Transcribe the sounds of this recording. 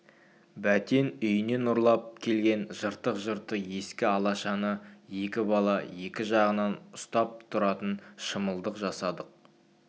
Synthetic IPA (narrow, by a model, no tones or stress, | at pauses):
bæt̪e̞nʏjɪne̞nʊɾlˠɑp̚kʲʰe̞lɡʲe̞nʒəɾt̪əqʒəɾt̪əje̞skʲɪɑlˠɑʃɑnəje̞kʲɪbɑlˠɑje̞kʲɪʒɑʁənɑnʊst̪ɑp̚t̪ʰʊɾɑt̪ənʃəməlˠd̪əqʒɑsɑd̪əq̚